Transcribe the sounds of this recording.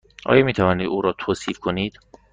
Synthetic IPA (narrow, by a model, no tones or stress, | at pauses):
ʔɒ̰ːjɒmiːt̪ʰævɒːniːd̪uːɾɒːt̪ʰoːsiːfkʰoniːd̪̥